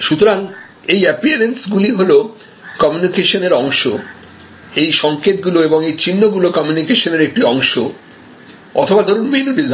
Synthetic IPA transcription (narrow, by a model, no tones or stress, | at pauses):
ʃut̪oɾaŋ | ejɛpiaɾensɡuliɦolo | kɔmjunikeʃoneɾɔŋʃo | ejʃɔŋket̪̚ɡuloeboŋejt͡ɕinːoɡulokɔmjunikeʃoneɾek̚ʈiɔŋʃo | ɔ̰t̪ʰobad̪ʱoɾunmenubid͡ʑ